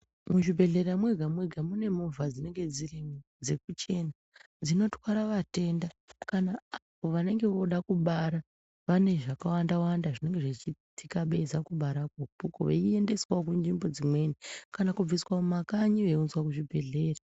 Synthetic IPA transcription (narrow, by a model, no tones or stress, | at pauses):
muʐibʱe̞ɮe̞ramwe̞ɡʱamwe̞ɡʱamune̞movʱad͡zine̞ŋɡe̞d͡zirim | d͡ze̞kut͡ʃe̞na | d͡zino̞twaɾaʋate̞ndakanaːpo̞ʋane̞ŋɡe̞ʋo̞ɗakuɓaɾa | ʋane̞ʐakawandawandaʐine̞ŋɡeʐet͡ʃitʰikaɓe̞zakuɓaɾakopuko̰ʋeie̞nde̞swaokund͡ʒimbo̞d͡zimwe̞nikanakub͡viswamumakaɲiʋeunzwakuʐibʱe̞ɮe̞ːra